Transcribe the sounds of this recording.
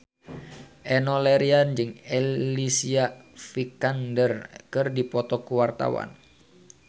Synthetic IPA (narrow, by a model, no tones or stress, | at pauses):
ʔɛnolɛɾiand͡ʒɨŋɛlisiafikandərkɨrdipɔt̪ɔkuwart̪a̰wa̰n